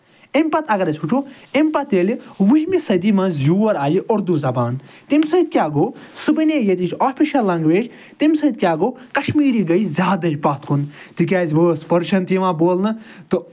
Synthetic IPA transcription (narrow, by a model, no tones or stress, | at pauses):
empɐt̪ɐɡɐɾɐsʲʰuʈʰu | empɐt̪elʋuɦʲimisɐd̪imɐ̃zjuːɐɾaːjiʔoɾd̪uzɐbaːnt̪imʲsɐd̪̚kʲjaːɡoːsɨbɨnʲeːjet̪it͡ʃʰaːpʰiʃɐlːɐŋɡʋeːd͡ʒ | t̪imʲsɐd̪̚kʲaːɡoːkɐʃmiːɾiːɡɐjzʲjaːd̪ɐd͡ʒpɐt̪kʰun | t̪ikʲaːzʲbəːspɐɾʃɐnt̪iʋãːboːlnɨt̪ɨ